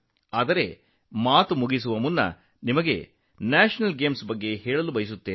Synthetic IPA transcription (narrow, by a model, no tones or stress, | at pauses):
aːd̪ɐɾe̞ | maːt̪umuɡis̬uʋɐmunːɐ̰ | nimɐɡe̞̰ | naːʃɐnɐlɡeːmsbɐɡːe̞hɛːɭɐlubɐjis̬ut̪ːeː